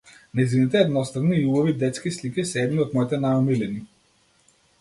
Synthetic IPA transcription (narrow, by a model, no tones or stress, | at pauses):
najzinit̪ɛːd̪nɔst̪avniːubɔvid̪ɛt̪skislikisɛɛd̪niɔt̪mɔit̪ɛnajɔmilɛni